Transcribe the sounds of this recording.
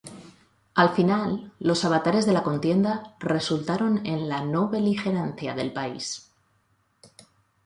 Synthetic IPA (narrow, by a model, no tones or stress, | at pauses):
alfinalːo̞saβat̪aɾe̞zðe̞lako̞nt̪je̞nd̪are̞sult̪aɾo̞ne̞nlano̞βe̞lixe̞ɾanθjaðe̞lpaḭs